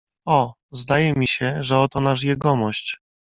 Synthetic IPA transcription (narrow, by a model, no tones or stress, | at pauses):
ɔ | zd̪ajɛmʲiɕɛʐɛɔt̪ɔnaʂjɛɡɔmɔɕt͡ɕ